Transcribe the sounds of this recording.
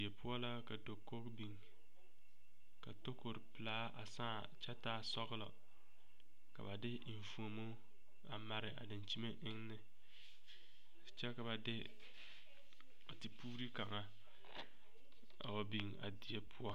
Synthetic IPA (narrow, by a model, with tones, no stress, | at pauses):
i˨e˨pʰʊ˦ɔ˦la˦ka˨do˨kːo˦kbi˨ŋ | ka˨to˦ko˨ɾɪ˨pɪ˨laː˦ʔa̰˨saː˦˨ | t͡ʃɛ˦taː˦sɔ˦ɣlɔ̰˨ | ka̰˨ba˨dɪ˦ɪ˨ɱ˨fu˨o˨mo˦ | a˨ma˨ɾɪ˨ʔa̰˨dɪ˨nt͡ʃi˦me˦ʔɪ˦ŋnɪ˦˨ | t͡ʃɛ˦ka˨ba˨dɪ˦ | a˨ti˨puː˦ɾi˦ka˨ŋa˦ | a̰˨wa˨bi˨ŋa̰˨di˨e˨pʰʊ˦ɔ˦